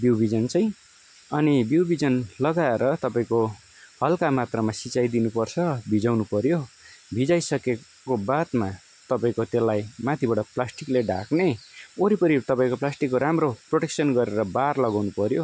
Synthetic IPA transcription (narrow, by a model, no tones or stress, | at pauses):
biwbʱid͡zʌnt͡sʌj̃ | ʌnibiwbʱid͡zʌnlʌɡaeɾʌt̪ʌpaĩko | hʌlkamat̪rʌmasit͡sajd̪inupʌrt͡sʰʌbʱid͡zawnupʌɾjo | bʱid͡zajsʌke | kobat̪ma | t̪ʌpaĩkot̪elːajmat̪ʰibaɽʌplasʈikleɖʱa̰kneoɾipʌɾit̪ʌpaĩkoplasʈikːoɾamroproʈeksʌnɡʌɾeɾʌbarlʌɡawnupʌɾjo